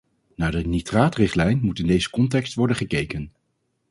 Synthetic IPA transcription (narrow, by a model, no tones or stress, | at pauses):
naːɹdənitraːtrɪχtlɛjnmutɪndejzə̥kɔntɛkstʋɔɹdənχəkejkən